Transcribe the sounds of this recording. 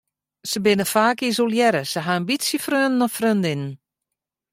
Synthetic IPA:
səbɪnəfaːkis̬olˠjɛɾəsəɦaambisjəfrønnɔfrøndɪnn

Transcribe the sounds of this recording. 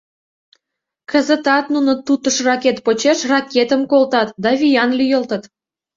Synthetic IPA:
kə̆zə̆t̪ɑt̪nunə̆t̪ut̪əʃrɑket̪pot͡ɕeʃrɑkʲet̪əmkolt̪ɑt̪d̪ɑvʲijɑnlʲyjəlt̪ə̆t̪

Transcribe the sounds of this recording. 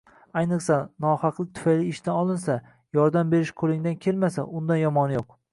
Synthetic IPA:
ajnɨqsanɒhɑqlˠɪk̚ʲt̪ʰʊ̥fajliːʃt̪ʰanɒlˠɪnsa | jɒɾd̪ambe̞ɾɪʃqʰolˠɪŋd̪ankʲʰe̞lmasa̰ʔʊnd̪anjɒmɒnjoq

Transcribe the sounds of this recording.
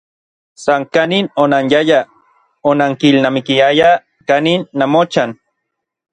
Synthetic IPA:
saŋkaninonanjaja | onaŋkilnamikiaja | kaninːamot͡ʃan

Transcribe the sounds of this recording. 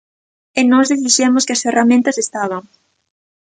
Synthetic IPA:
enɔzðeθiʃemʊskɪɐsferʔamẽnt̪ɐsest̪aβ̞ɐŋ

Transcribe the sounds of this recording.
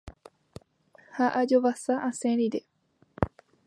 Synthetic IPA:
haʔad͡ʒoʋasaʔãsẽɾiɾe

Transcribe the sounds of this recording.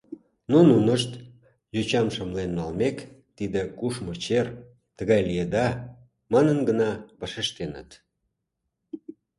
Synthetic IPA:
nununəʃt̪ | jut͡ɕɑmʃəmlenːɑlmekt̪id̪ekuʃmot͡ɕer | t̪əɣɑjlijed̪ɑ | mɑnənɡənɑβɑʃeʃt̪enə̰t̪

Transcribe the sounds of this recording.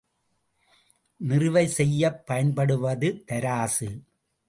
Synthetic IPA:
nɪrɯʋɐɪsɛjːɐpːɐjɐnpɐɽɯʋɐðɯt̪ɐɾaːsɯ

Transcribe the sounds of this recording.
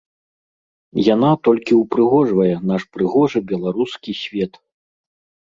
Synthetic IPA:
janat̪ɔlʲkʲiwpɾɨɣɔʐvɐjɛnaʂpɾɨɣɔʐɨbʲɛlˠaɾuskʲisʲvʲɛt̪

